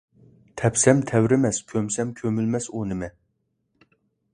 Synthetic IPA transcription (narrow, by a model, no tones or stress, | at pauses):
t̪ʰɛpsɛmt̪ʰɛwɾɪmɛskʲʰømsɛmkʲʰømylmɛsunɪmɛ